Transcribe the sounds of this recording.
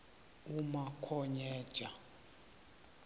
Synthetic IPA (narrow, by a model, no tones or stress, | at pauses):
umakʰɔɲɛːd̥ʒ̥ʱa